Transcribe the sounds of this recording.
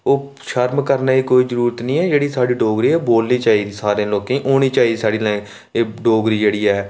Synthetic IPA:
oː | ʃəɾmkəɾnaːiːkoːiːzəɾuːɾət̪nĩːɛːd͡ʒeːɽiːsaːɽiːɖoːɡɾiːɛːboːlniːt͡ʃaːiːd̪iːsaːɾẽːloːkẽːʔoːñiːt͡ʃaːiːd̪ːsaːɽiːlɛ̃ː | eːɖoːɡɾiːd͡ʒeːɽiːɛː

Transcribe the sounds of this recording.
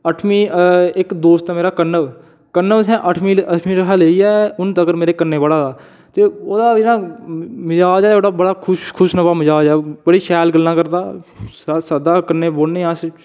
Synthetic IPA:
əʈʰmiːɪkd̪oːst̪aːmeːɾaːkənəʋ | kənːəʋsɛ̃ːʔəʈʰmĩːəʈʰmiːɾəkʰaːleːiːɛːʊnt̪əɡəɾmeːɾeːkənːeːbəɽaːd̪aː | t̪eːoːd̪aːɪnãːmɪzaːd͡ʒɛːt̪ʰoːɽaːbəɽaːkʰʊʃkʰʊʃnəbaːməzaːd͡ʒɛːbəɽiːʃɛːlɡəlːãːkəɾd̪aː | saːd̪aːkənːẽːboːɽneːãːs

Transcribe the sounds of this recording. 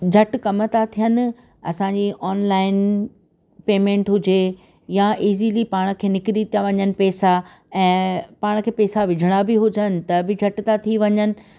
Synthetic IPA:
d͡ʑʱɐʈkɐmət̪at̪ʰijənɪ̆ | ɐ̰sãɲd͡ʑiːʔɔːnlaːɪn | peːmẽːɳʈɦʊd͡ʑe | jaʔiːzilipaːɽ̃̆kʰeːnɪkɪɾit̪ijaʋɐɲənɪ̆pɛːsa | ɛ̃ːpaːɽ̃̆kʰeːpeːsaʋɪd͡ʑʱɪɽ̃abɪɦʊd͡ʑənɪ̆t̪ɐbɪd͡ʑʱɐʈt̪at̪ʰiʋɐɲənɪ̆

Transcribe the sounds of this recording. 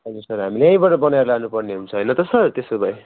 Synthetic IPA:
ɦʌd͡zursʌrɦamileʌ̃j̃bʌʈʌbʌnajɾlanupʌrneɦunt͡sʰʌɦʌjnʌt̪ʌsʌrt̪esobʌj

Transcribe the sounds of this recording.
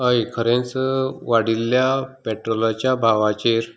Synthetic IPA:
əjkʰəɾẽnt͡sʋaɽilːjapɛʈɾolat͡ɕjabʱaʋat͡ɕeɾ

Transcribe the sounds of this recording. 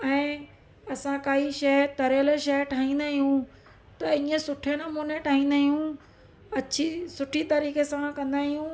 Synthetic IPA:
ɛ̃ː | ɐsãkaːiʃɐt̪ɐɾjəlʃɐʈʰaːĩːnd̪aːɦijũ | t̪ɐĩːə̃sʊʈʰenɐmuːneʈʰaːɦĩːn̆d̪aːɦijũ | ɐt͡ɕʰisʊʈʰit̪ɐɾiːkesãkɐ̃nd̪aːɦijũ

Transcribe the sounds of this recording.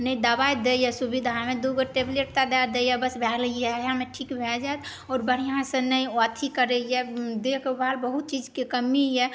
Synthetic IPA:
nəĩd̪əbajd̪ejɛsubid̪ʱamẽd̪uɡəʈebleʈt̪ad̪ad̪ejɛbəsbʱɛljɛjameʈʰikbʱɛld͡ʒajt̪ | ɔːɾbəɽ̤ijãsə̃nəĩt̪ʰikəɾɛjɛd̪ekʰbʱalbəɦut̪̚t͡ʃid͡ʒkekəmijɛ

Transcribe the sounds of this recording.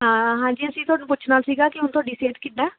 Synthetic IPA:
ɦãːɦãːɲd͡ʒiːəsĩːt̪ʰʊaːɽũːpʊːt͡ʃʰnaːlsiːɡaːkɪɦʊnt̪ʊwaːɖiːseːʈkɪd̪ãː

